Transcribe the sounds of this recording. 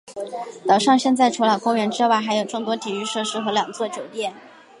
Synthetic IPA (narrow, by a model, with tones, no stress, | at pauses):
t̪ɑ˨˩ʊʂɑ˥˧ŋɕjɛ˥˧nt͡sa˥˩ɪʈ͡ʂʰu˧˥lɑ˨˩kʊ˥ŋɥɛ˧˥nʈ͡ʂɻ̩˥wa˥˩xa˧˥ɪjo˨˩ʊʈ͡ʂʊ˥˩ŋt̪wɔ˥t̪ʰi˨˩y˥˧ʂɤ˥˩ʂɻ̩˥xɤ˧˥ljɑ˨˩ŋt͡swɔ˥˩t͡ɕjo˨˩ʊt̪jɛ˥˩n